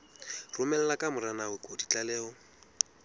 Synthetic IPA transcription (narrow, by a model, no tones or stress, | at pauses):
rʊmɛl̩lakʼamʊɾanawɪkʼodit͡ɬʼalɛːɔ